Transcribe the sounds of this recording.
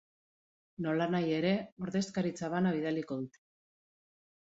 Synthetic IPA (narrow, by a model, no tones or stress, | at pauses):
no̞lanaje̞ɾe̞o̞ɾðe̞skaɾit͡saβanaβ̞iðaliko̞ðut̪e̥